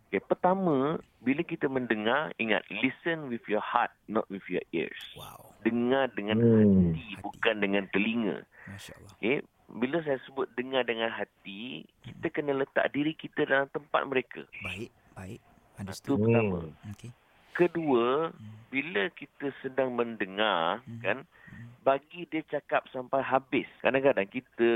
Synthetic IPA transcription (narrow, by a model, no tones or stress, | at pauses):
okepərt̪amə̃ | biləkit̪əmə̃ndəŋariŋã̰t̪̚lisənwifjɔha̰t̪̚nɔ̰t̪̚wifjɔ̰ʔḭɹsdəŋardəŋãnhat̪ibukandəŋãnt̪əliŋə̰̃ | ke | biləs̬ajasəbʊt̪̚dəŋadəŋãnɦat̪ikit̪əkənələt̪a̰ʔ̚diɾikit̪ədalamt̪əmpa̰t̪̚məɾekʰə̰ | t̪uət̪amə̰̃ | kəduəbiləkit̪əsədaŋməndəŋarkan | baɡidiət͡ʃakap̚sampajɦabɪskadakadaŋkit̪ə